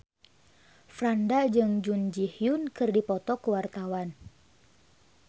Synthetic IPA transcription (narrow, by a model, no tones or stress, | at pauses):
fɾandad͡ʒɨŋd͡ʒund͡ʒihjunkɨrdipɔt̪ɔkəwart̪awan